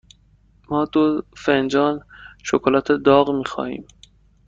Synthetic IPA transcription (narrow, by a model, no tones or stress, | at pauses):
mɒːd̪ofend͡ʒɒːnʃokʰolɒːt̪ʰed̪ɒːɣmiːxɒ̰ːhḭːm